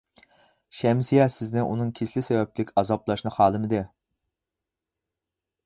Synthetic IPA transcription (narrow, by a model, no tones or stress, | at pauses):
ʃɛmsijɛsɪznɪʔunɨŋkʲʰeslɪsɛvɛp̚kʲɪkʲɑzɑblˠɑʃnɨχɑːlˠɨmɨd̪ɨ